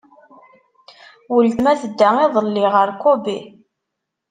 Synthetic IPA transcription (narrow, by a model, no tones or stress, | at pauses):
wəlt̪mæθəd̪ːæiðˤəlːɪʁəɾkobi